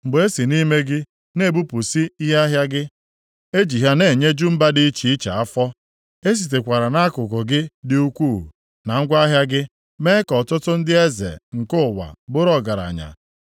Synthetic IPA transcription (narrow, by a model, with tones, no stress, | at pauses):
m̩˨ɡ͡be˦si˨ni˦me˦ɡɪ˦ | ne˦˨bu˦pʊ˨si˦i˦ɦe˦a˦ɦja˦ɡɪ˦ | e˦d͡ʒi˨ɦa˦ne˨ɲe˦d͡ʒu˦m̩˦ba˦dɪ˦t͡ʃi˨i˦t͡ʃa̰˨a˦fɔ˦ | e˦s̬i˨t̬e˨kʷa˨ɾa˨na˦kʊ˨kʊ˨ɡɪ˦dɪ˦u˦kʷuː˦˨ | na˨ŋ̩˦ɡʷa˦ɦja˦ɡɪ˦ | me˦kɔ˨tʊ˦tʊ˦n̩˦dɪ˦e˦zḛ˨ŋ̩˨kʊ˦˨wa̰˨ɡ͡bʊ˦ɾɔ˦ɡa˨ɾa̰˨ɲa̰˨